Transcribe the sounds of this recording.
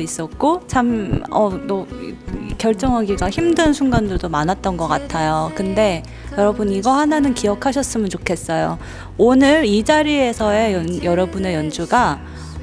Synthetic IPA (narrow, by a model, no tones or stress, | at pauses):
is͈ʌt̚k͈ot͡ɕʰamʌdʌ | kjʌɭt͡ɕ͈ʌŋɦaɡiɡaçimdɯnsʰuŋɡandɯɭdomanɦat̚t͈ʌnɡʌk͈atʰajokɯnde̞ | jʌɾʌbuniɡʌhananɯnkijʌkʰaɕʰʌs͈ɯmɯnt͡ɕokʰe̞s͈ʌjo | onɯɾid͡ʑaɾie̞sʰʌe̞jʌnjʌɾʌbune̞jʌnd͡ʑuɡa